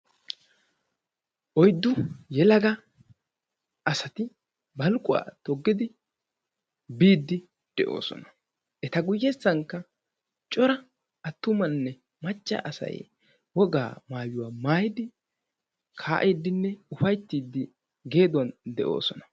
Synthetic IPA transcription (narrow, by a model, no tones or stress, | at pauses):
ʔɔjd̪ːʊjɛlɐɡɐ | ʔɐsɐt̪ɪ | bɐlkʼːʊwa̰ːt̪ɔɡːɪd̪ɪ | biːd̪ːɪ | d̪̥ɛʔo̰ːsɔ̰nɐ̥ | ʔɛt̪ɐɡʊjːɛsːɐŋkːɐ | t͡ʃʼɔɾɐ | ɐt̪ːʊmɐnːɛ | mɐt͡ʃʼːɐ̰ʔɐsɐ̰j | wɔɡa̰ːmaːjʊwaːmaːjɪd̪ɪ | kʰa̰ːʔed̪ːɪnːɛʊfɐjt̪ːiːd̪ːɪ | ɡe̞ːd̪ʊwɐnd̪ɛʔo̞̰ːsɔnɐ̥